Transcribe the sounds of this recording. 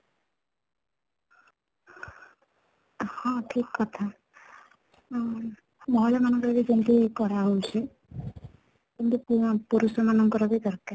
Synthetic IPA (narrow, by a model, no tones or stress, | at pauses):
hɔ̃ʈʰikːɔt̪ʰa | mɔɦɔlɔmanɔŋkɔɾad̪ikint̪ikɔɾaɦojt͡ʃʰe | kint̪upupuɾusɔmanɔŋkɔɾad̪ikaɾka